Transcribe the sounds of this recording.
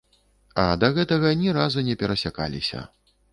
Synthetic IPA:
ɐd̪ɐɣɛt̪ɐɣɐnʲiɾazunʲɛpʲɛɾɐsʲaka̰lʲḭsʲɐ̰

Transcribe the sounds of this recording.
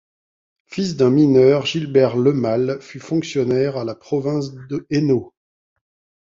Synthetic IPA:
fis̬d̪ɛ̃minœːʁʒilbɛʁləmalfyfɔ̃ksjɔnɛʁalapχɔvɛ̃s̬d̪əeno

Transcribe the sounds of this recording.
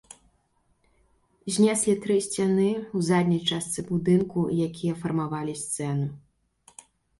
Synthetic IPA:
zʲnʲɛsʲlʲit̪ɾɨsʲt͡sʲanɨuzad̪ʲnʲɐjt͡ʂast̪sɨbud̪ɨnkujakʲʰijɐfɐrmavalʲisʲt̪sɛnu

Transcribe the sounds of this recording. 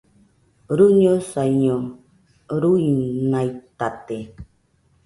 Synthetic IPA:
ɾuɲosaiɲo | ɾuinajt̪at̪e

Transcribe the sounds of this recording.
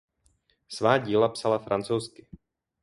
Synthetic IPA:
svaːɟiːlapsalafɾant͡sowskɪ

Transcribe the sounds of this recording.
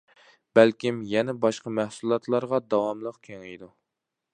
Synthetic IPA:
b̥ælkʲimjɛnɛbɑʃqɑmæhsulˠɑt̪lˠɑɾʁɑd̪ɑwɑmlˠəqkʲʰeŋejd̪u

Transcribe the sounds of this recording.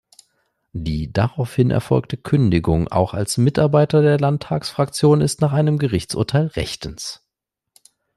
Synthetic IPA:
d̥iːdaʁaʊfhɪnʔɛ̰ɐfɔ̰lk̚tʰəkʰʏndɪɡʊŋa̰ʊxa̰lsmɪtʔaɐbaɪtɐdeːɐlantʰːaːksfʁ̥akt͡sjoːnɪstnaːχʔaɪnəmɡəʁɪçt͡sʔʊ̰ɐtʰaɪlʁɛ̰çtən̩s

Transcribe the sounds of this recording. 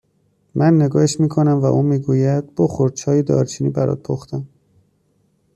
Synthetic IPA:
mʔænːe̞ɡɒːheʃmiːkʰonæmvæ̰ʔuːmiːɡuːjæd̪̥̚b̥oxoɾt͡ʃʰɒːjed̪ɒ̰ːɾt͡ʃʰiːnḭbæɾʔɒ̰ːt̪̚pʰoxt̪æm

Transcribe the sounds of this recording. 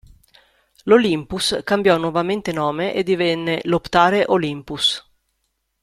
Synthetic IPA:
lolimpuskambjɔnwovament̪enɔːmeʔḛd̪ːivɛnːelopt̪aːɾeʔolimpus

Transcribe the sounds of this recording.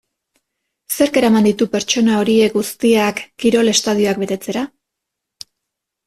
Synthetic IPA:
se̞ɾke̞ɾamand̪it̪upe̞ɾt͡ʃo̞nao̞ɾie̞ɡust̪iakːiɾo̞le̞st̪að̞io̞ak̚be̞t̪e̞t͡se̞ɾa

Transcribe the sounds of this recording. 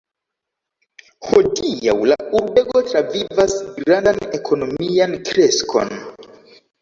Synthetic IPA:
ho̞dia̰wlauɾbe̞ɡo̞tɾavivasiɾandane̞kʰo̞no̞miankɾe̞skʰo̰n

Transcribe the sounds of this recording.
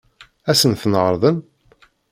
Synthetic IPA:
æsənθnəʁəɾˤðˤən

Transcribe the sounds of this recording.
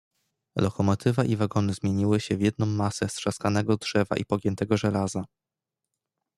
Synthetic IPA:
lɔkɔmɔt̪ʰɘvaʔivaɡɔnɘzmʲjeɲiwɘɕɛvjɛd̪̚nɔ̃w̃ːasɛstʂaskanɛɡɔdʐɛva̰ʔipɔɡʲjɛnt̪ɛɡɔʐɛlaza

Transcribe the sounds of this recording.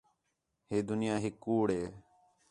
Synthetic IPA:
ɦeːd̪ʊnɪjaːɦɪkːuːɽɦeː

